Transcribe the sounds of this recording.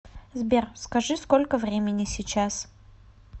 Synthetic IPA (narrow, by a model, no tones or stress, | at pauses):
zbʲerskɐʐɨskolʲkəvɾʲemʲɪnʲɪsʲɪt͡ɕas